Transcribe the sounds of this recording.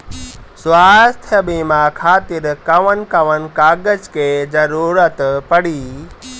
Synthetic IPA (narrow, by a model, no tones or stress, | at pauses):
swaːst̪ʰjəbĩːmãkʰaːt̪ɪɾkɐʋənkɐʋənkaːɡəd͡ʒkʰeːzɐɾuːɾət̪pɐɽiː